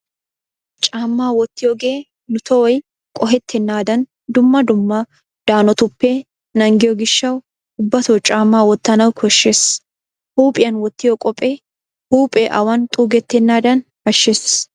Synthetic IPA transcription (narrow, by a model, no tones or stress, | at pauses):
t͡ʃʼaːmːaːwɔt̪ːɪjɔɡeː | nʊt̪ɔɔj | kʼɔɦɛt̪ʰːɛnːaːd̪ɐn | d̪ʊmːɐd̪ʊmːa | d̪̥aːnɔt̪ʊpːeː | nɐŋɡɪjɔɡɪʃːɐw | ʊbːɐt̪ot͡ʃʼaːmːaːwɔt̪ːɐnɐwkɔʃːes | huːpʼɪjɐnwɔt̪ːɪjɔkʼɔpʼeː | huːpʼɛːʔɐwɐnt̪ʼuːɡɛt̪ːɛnːaːd̪ɐn | ɐʃːeːs